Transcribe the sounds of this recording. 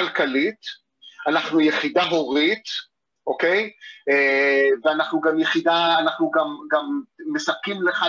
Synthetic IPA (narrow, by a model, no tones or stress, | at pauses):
alkalit̪ | anaχnujeχidaɦo̞ʁit̪ | ʔoke̞jeveanaχnuɡamjeχid̪aːnaχnuɡamɡamːesap̚kimleχa